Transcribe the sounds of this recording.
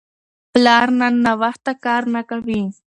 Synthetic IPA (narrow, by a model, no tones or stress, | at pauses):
plaɾnanaβɑχt̪akaɾnakawi